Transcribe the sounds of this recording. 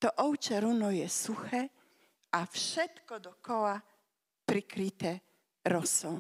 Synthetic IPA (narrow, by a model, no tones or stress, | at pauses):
t̪ɔʔɔwt͡ʃɛɾunɔjɛsuxɛ | afʃɛt̪kɔd̪ɔkɔwa | pɾikɾit̪ɛ | ɾɔsɔ